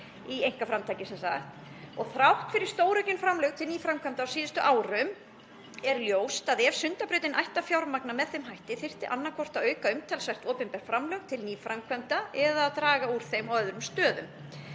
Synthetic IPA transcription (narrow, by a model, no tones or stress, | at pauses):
iejŋ̥kafɾamt̪ʰajcɪsɛmsaxt̪ | ɔɣθɾawht̪fɪɾɪ̥st̪oːwɾœjcʏnfɾamlœɣt̪ʰɪlniːfɾamkʰvœmt̪aːwsiːðʏst̪ʏʔaːwɾʏm | ɛɾljoːwst̪aðɛv̥sʏnt̪apɾʏːt̪ɪnʔajht̪afjawɾmaknamɛðθejmɦajht̪ɪθɪr̥t̪ɪʔanːakʰɔr̥t̪aœɥkaʏmt̪ʰɛlsvajr̥t̪ɔːpʏnpɛɾ̥fɾamlœɣt̪ʰɪlniːfɾamkʰvœmt̪aɛðaːðt̪ɾaːɣauːɾ̥θejmaœðɾʏmst̪œːðʏm